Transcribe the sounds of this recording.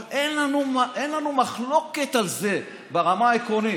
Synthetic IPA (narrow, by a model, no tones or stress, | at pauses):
lʔenlanumʔenlanumaχlo̞ke̞t̪alze̞ | beʁamaaekʁo̞ni